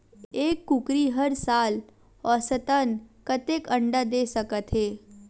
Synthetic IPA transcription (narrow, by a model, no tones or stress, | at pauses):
eːkːʊkɾiɦəɾsaːl | ɔːsət̪ənkɐt̪eːkə̃ɳɖad̪eːsəkət̪ɦeː